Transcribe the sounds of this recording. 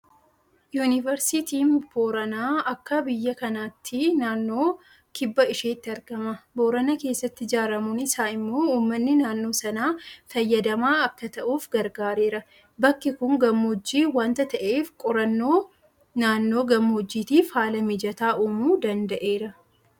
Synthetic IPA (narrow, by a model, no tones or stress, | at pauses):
juːnɪvɐɾsɪt̪iːnboːɾɐnaːɐkːɐbɪjːɐkɐnaːt̪ʰːɪnaːnːo̞ː | kɪbːɐɪʃeːt̪ːɪɐɾɡ̥ɐmɐbo̞ːɾɐnɐke̞ːsːɐt̪ːɪd͡ʒaːɾɐmʊnɪsaːɪmːo̞ːuːmːɐnːɪnaːnːo̞ːsɐnaːfɐjːɐd̪ɐmaːɐkːɐt̪ɐʔuːfɡɐɾɡaːɾe̞ːɾɐ | bɐkːɪkʊŋɡɐmːod͡ʒːiːwaːnt̪ɐt̪ɐʔeːfkʼɔɾɐnːo̞ː | naːnːo̞ːɡɐmːɔd͡ʒːiːt̪iːfhaːlɐmɪd͡ʒɐt̪aːʔuːmuːd̪ɐnd̪ɐʔeːɾɐ